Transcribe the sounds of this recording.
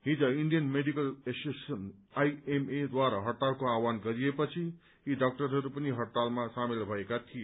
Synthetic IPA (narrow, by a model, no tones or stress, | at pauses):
ɦĩd͡zʌiɳɖijənmeɖikəlesesənajemed̪waɾaɦəɽʈalkoawanɡʌɾijepət͡ʃʰi | iɖak̚ʈəɾɦʌɾupəniɦʌɽʈalmasamilbʱʌekat̪ʰije